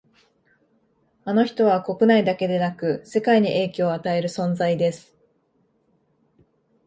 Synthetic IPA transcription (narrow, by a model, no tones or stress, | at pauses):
ano̞çi̥t̪o̞βako̞kɯ̟naid̪ake̞d̪e̞nakɯ̟se̞kaiɲ̟iʔe̞ːkʲo̞ːat̪ae̞ɾɯ̟sõ̞nd͡zaid̪e̞sɨ̥